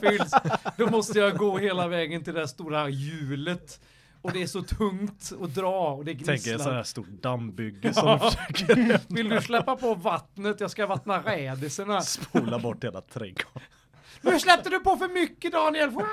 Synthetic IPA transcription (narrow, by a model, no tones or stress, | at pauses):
fʏlsd̪ɔmɔst̪əjɑɡoːɦeːlavɛːɡənt̪ɪld̪ɛæʂt̪uːɾajʉ̟ːlət̪ | ɔd̪ɛæʂɔt̪ʰɵŋt̪ɔd̪ɾɑːɔd̪ɛɡɾʰɛŋk̪ːɔnhæːst̪ṵːʈɖambʏɡːəsɔkːvɪld̪ɵslɛpːapʰɔvat̪nət̪jɑːɡskavat̪naɾɛːd̪ɪsəɳaspuːlabɔʈːheːla̰t̪ʰɾḛːɡʰɔ̥ | nʉ̟ːslɛp̚t̪əd̪ɵpɔfœɾmʏkːəd̪ɑːnɪɛlf